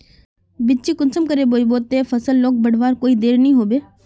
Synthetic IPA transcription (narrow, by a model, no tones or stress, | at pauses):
bɪtːt͡ʃiːkʊnsəmkəɾeːboːiboːt̪ːeːpʰəsəlːoːk̚bəɽʋaːɾkoːiːd̪eːɾnĩːɦoːbeː